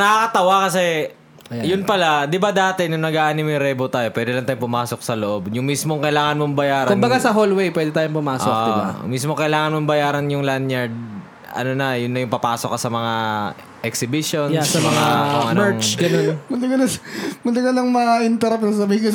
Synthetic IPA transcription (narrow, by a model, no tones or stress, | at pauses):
nɐkɐkɐt̪ɐwakɐsɛ | jʊnpɐlad̪ɪbad̪aːt̪ɛnʊŋnɐɡaʔaːnɪmɪŋɾɛbot̪aːjo̞pwɛːd̪ɪlɐŋt̪aːjopʊmaːsok̚sɐloʔo̞bjʊŋmismoŋkɐjlaːŋɐnmombɐjaːɾɐkʊnmbɐɡasɐɦolwɛjpwɛːd̪ɪɛt̪aːjʊŋpʊmaːsok̚ːdɪbamismokɐʔɪlaːŋɐnmombɐjaːɾɐnjʊŋlanjɐɹd̪̚ | ʔɐ̰nonɐjʊnːɐjʊŋpɐpaːsokːɐsɐmɐŋa | ʔɛksɪbiʃonjsɐmɐŋaɐmɛŋt͡ʃɡɐnonmʊlɪɡɐlɐmʊlɪɡɐlɐŋmɐʔɪnt̪ɛɾɐp̚nɐs̬ɐbiːɪkʊ